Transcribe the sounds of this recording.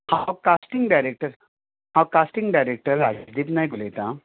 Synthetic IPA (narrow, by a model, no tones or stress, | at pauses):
hawkasʈiŋɡɖajɾek̚ʈəɾ | hãwkasʈiŋɡɖajɾek̚ʈəɾad͡ʒsd̪iːpnajɡulet̪ã